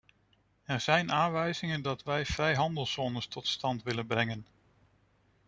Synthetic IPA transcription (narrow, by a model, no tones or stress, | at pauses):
ɛɹz̥ɛjnʔaːnʋɛjzɪŋəndɑtʋɛjvrɛjɦɑndəlˠsɔnəstʰɔtstɑntʋɪlənbrɛŋən